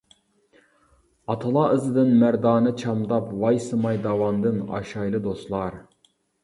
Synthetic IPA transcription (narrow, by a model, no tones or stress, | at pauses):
ɑt̪ʰɨlˠɑʔɨzɨd̪ɨnmæɾd̪ɑːnɨt͡ʃʰɑmd̪ɑpwɑjsɨmɑjd̪ɑwɑnd̪ɨnɑ̰ʃɑjlˠɨd̪ost̪lˠɑɾ